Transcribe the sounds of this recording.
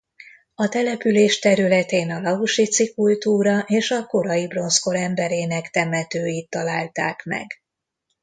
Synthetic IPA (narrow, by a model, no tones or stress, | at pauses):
ɒt̪ɛlɛpyleːʃt̪ɛɾylɛt̪eːnɒlɒuʃit̪sikult̪uːɾɒʔeːʃɒko̞ɾɒjibro̞nsko̞ɾɛmbɛɾeːnɛkt̪ɛmɛt̪øːjit̪ːɒlaːlt̪aːkmɛ̰ɡ